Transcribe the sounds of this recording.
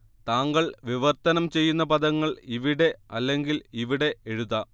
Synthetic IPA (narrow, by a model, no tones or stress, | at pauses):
t̪aːŋɡɐɭʋiʋɐrt̪ɐnɐmt͡ɕe̞jːunːɐpɐd̪ɐŋːɐɭiʋiɽe̞ɐlːe̞ŋɡiliʋiɽe̞eɻuðɐ